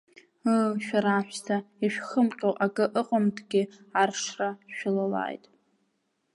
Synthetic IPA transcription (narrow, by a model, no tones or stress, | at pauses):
ɨʃᶣaɾaħʷᶣstʰaiʃᶣχəmqʲʼowʔakʼɨʔɨqʼəmtʰɡʲɪ | arʂraʃᶣalala̰ːjtʼ